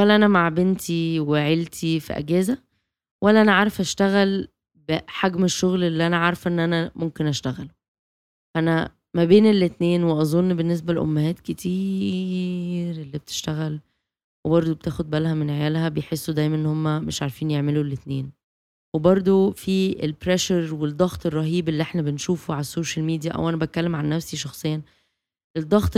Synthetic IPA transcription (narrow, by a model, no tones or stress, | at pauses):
wælːæʔænæmaʕbent̪ʰiweʕelt̪ʰifḭʔæ̰ɡæːzæ | wælːæʔænæʕaːɾefʔæʃt̪æɣæl | beħaɡmeʃːoɣlelːiʔænæʕaɾˤfʔenːʔænæmomkenʔæʃt̪æɣælu | æʔænæ | mæbeːnelːet̪neːnweʔɑzˤonːbenːes̬bælʔo̰mːæhæːt̪ket̪ʰiː | ɾelːibet̪ʰe̥ʃt̪æɣæl | webɑɾˤd̪ˤobet̪æːxod̪̚bælhæmenʕejælhæbejħesːud̪æjmænʔenːhomːæmeʃʕaɾˤfiːnjeʕmelulːet̪neːn | webɑɾˤd̪ˤofiḛlpɾæʃɑɾwed̪ˤːɑɣt̪ˤerˤːɑɦiːbelːiʔeħnæbenʃuːfuʕalæsːoːʃælmiːd̪ijæʔæ̰wʔænæbæt̪̚kːælːemʕanːæfsiʃɑxsˤejːɑn | led̪ˤːɑɣt̪ˤ